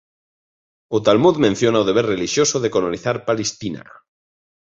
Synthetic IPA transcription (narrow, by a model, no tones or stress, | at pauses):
ot̪almuðmẽn̟θjonaoðe̞β̞erreliʃjo̞soðekoloniθaɾpalest̪ina̰